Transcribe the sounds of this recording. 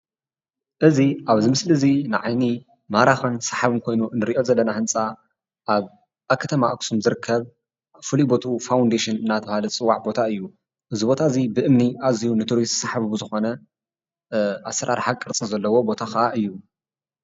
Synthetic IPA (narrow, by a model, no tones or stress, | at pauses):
ʔɨziʔaβzimɨslɨzinɨʕajni | maɾaxɐnsaħaβɨnkʰo̞jnunːɨɾiʔo̞zɐlːɐnahɨnt͡sʼa | ʔaβ | akʰːɐt̪ʰɐmaʔɐksumzɨɾɨkʰːɐβ | fɨlibo̞t̪ʰufawnd̪eʃɨnɨnːat̪ʰɨβahalɨt͡sʼɨwːaʕbo̞t̪ʰaɨjːu | ʔɨzibo̞t̪ʰaɨzibɨʔɨmniʔazihunɨt̪ʰuɾissaħaβubzɨxo̞nɐ | ʔasːɐɾʔa̰ɾħakʼɨɾt͡sʼɨzɐlːɐwo̞bo̞t̪ʰaxɐʔaʔɨjːu